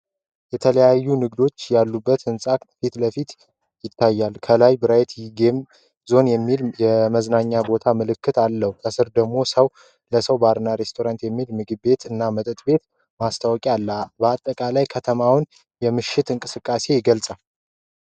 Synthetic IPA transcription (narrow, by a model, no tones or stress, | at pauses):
jɛt̪ʰələjajːunɨɡd̪o̞t͡ʃːjalːubːət̪ɨnsʼakfit̪ləfit̪ | jɪt̪ʰːajːalkʰəlajbɨɾajt̪jɪɡem | zo̞njɛmːiljɛməznaɲːabo̞t̪ʰamɨlɨkʰːɨt̪alːəhukʰəsɨɾd̪əɡmo̞səw | ləsəwbaɾnaɾe̞st̪ʰo̞ɾant̪jɛmːilmɨɡɨbe̞t̪ɨnːamət̪ʼɨt̪ʼbe̞t̪ | mast̪ʰawkʼalːabəat̪ʼːəkʼalajkʰət̪ʰəmawn | jɛmɨʃːɪt̪ɨŋkʼɨsɨkʼːase̞jɪɡəlsʼa